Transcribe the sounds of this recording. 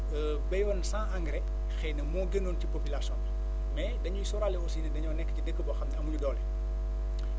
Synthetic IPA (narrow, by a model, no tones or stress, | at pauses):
ə | bɐjwɔnsãːʔaŋɡɾɛ | xɛnɐmɔɡenoːncipopilasɔ̃ːn | mɛdɐɲuisɔɾalɛɔsinɐdɐɲɔːnɛkːə̥cidəkːəbɔxɐmnɐɐmuɲudɔlɛ